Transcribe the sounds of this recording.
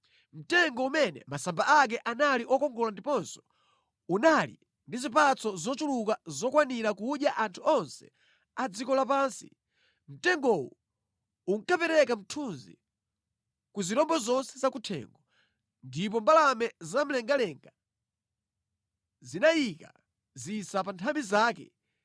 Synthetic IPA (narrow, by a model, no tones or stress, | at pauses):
m̩tɛŋɡɔumɛnɛ̰masambaʔak̬ɛʔanaliʔɔkɔŋɡɔlandipɔnsɔ̥ | unalḭ | ndizipat͡sɔzɔt͡ʃulukazɔkwaniɾakuɗjaʔantʰuɔnsɛ̥̰ | ad͡zikɔlapaːnsi̥̰ | m̩tɛŋɡɔwṵ | uŋ̩kapɛɾɛkam̩tʰunzḭ | kuziɾɔmbɔzɔnsɛzakutʰɛ̰ŋɡɔ | ndip̬ɔmbalamɛzam̩lɛŋɡalɛŋɡa | zinajika̰ | zisapantʰambizaːkɛ̰